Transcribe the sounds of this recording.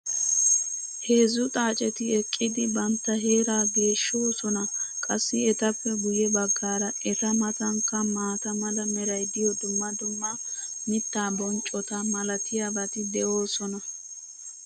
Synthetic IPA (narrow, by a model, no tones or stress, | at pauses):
he̞ːzʊt̪ʼaːt͡ʃʼɛt̪ɪɛkʼːɪd̪ɪbɐnt̪ːɐɦe̞ːɾaːɡe̞ːʃːo̞ːsɔnɐkʼɐsːɪɛt̪ɐpːɛɡʊjɛbɐɡːaːɾɐʔɛt̪ɐmɐt̪ɐŋkːɐmaːt̪ɐmɐd̪ɐmɛɾɐjd̪ɪjɔd̪ʊmːɐd̪ʊmːɐmɪt̪ːaːbɔnt͡ʃʼɔt̪ɐmɐlɐt̪ʰɪjabɐt̪ɪd̪ɛʔo̞ːsɔnɐ